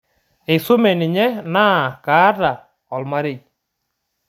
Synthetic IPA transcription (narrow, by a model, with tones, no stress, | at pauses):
e˨so˦mɛ˨nɪ˨ɲɛ˦na˦˨ka˨˦ɾa˨ | ɔ˨lma˦ɾe˨